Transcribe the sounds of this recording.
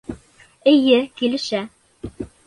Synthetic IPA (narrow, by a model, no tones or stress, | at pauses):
ɘ̆jɘkilɘ̆ʃæ